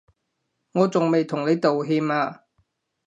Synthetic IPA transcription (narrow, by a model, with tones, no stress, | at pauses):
ŋɔː˨˧t͡sʊ˨ŋme˨jt̪ʰʊ˨˩ŋle˨˧jt̪o˨wɦiː˧maː˧